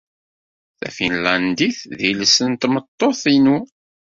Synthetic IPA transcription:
θæ̰finlænd̪iθðilsənt̪mət̪ˤːoθinu

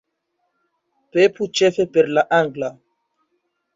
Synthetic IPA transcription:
peput͡ʃefepeɾlaʔaŋɡla

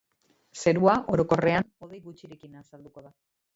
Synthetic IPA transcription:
se̞ɾuaʔo̞ɾo̞ko̞re̞ano̞ðejɣut͡ʃiɾekinaːsald̪uko̞ða

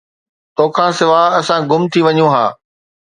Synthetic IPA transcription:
t̪oːkʰãːsɪʋaɦɐsãɡʊmt̪ʰiʋɐɲũɦãː

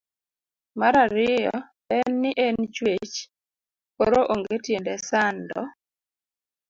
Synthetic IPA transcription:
maɾaɾɪjɔ | ɛnːɪʔent͡ʃwet͡ʃ | poɾoʔoŋɡetjendɛsandɔ̰

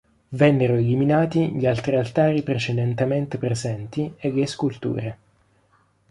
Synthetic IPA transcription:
vɛnːeɾoeliminaːt̪iʎialt̪ɾialt̪aːɾipɾet͡ʃed̪ent̪ement̪epɾezɛnt̪ieɡeskult̪ṵːɾe

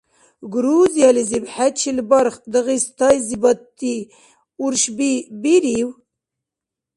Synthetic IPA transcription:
ɡɾuzijɑlizibħatt͡ʃilbɑɾχd̪ɨɣist̪ɑjzibɑt̪ːi | uɾʃbibiɾiw

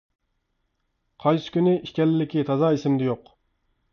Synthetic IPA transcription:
qʰɑjsɪ̥kʲynɪiʃkʲɛlɪlːɪkʲit̪ʰɑzɑːisɪmd̪ɛjoq

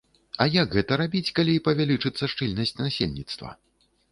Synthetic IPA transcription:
ɐjaɡɣɛt̪ɐɾabʲit͡sʲkalʲipɐvʲalʲit͡ʂɨt̪sːɐʂt͡ʂɨlʲnɐsʲt͡sʲnasʲelʲnʲit̪st̪vɐ̰

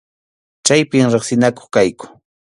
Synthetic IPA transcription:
t͡ʃajpɪmɾɪχsɪnako̥χkajkʊ̥

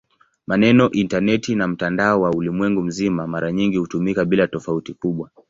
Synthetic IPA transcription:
manɛnɔʔintanɛtinam̩tandaɔwaulimwɛŋɡum̩zimamaɾaɲiŋɡihutumikaɓilatɔfautikuɓwa

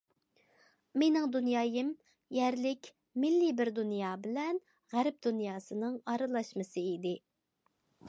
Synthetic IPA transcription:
menɪŋd̪unjɑːjɪm | jɛɾlɪkʲ | mɪlːɪbɪɾd̪unjɑːbɪlɛn | ʁæɾp̚d̪unjɑːsɨnɨŋɑɾɨlˠɑʃmɨsɨid̪ɪ

